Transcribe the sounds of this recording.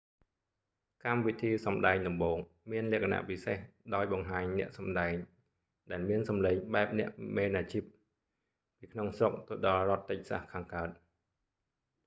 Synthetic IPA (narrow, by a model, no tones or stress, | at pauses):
kamʋit̪ʰiːsɑmɗaɛɲɗɑmɓoːŋ | miənlɛ̆əkʰana̰ʔpisehɗaɔjɓɑŋɦaːɲnɛ̆əʔsɑmɗaɛɲ | ɗaɛlmiənsɑmleːɲɓaɛp̚nɛ̆əʔmeːnaːt͡ɕip̚ | piːkʰnoŋsrok̚t̪ɨɗɑlrŏət̪ːɨc̚sa̰hkʰaːŋkaət̪̚